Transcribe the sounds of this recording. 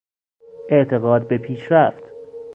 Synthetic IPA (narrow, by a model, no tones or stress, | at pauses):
ʔeʔt̪ʰe̞ɣɒːd̪̚be̞pʰiːʃɾæft̪